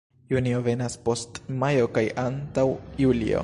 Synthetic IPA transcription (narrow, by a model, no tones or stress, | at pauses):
junio̞ve̞naspo̞stmajo̞kajʔantawjulḭo̞̰